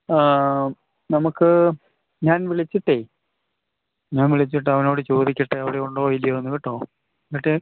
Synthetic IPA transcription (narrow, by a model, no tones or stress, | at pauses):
nɐmukːɨ | ɲaːnʋiɭit͡ɕːiʈːeː | ɲaːnʋiɭit͡ɕːiʈːɨɐʋɐno̞ːɽɨt͡ɕo̞ːðikʲːɐʈːeɐʋiɽeoɳɖɐoːjilːɐenːukiʈːo̞ː | kiʈːe